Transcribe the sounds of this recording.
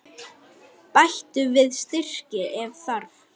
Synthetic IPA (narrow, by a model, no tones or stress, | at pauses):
pajht̪ʏvɪðst̪ɪr̥cɪʔɛvθaɾf